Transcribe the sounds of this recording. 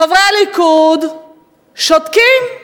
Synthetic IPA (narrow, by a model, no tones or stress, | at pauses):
avɾealɪkud | ʃɔt̪kim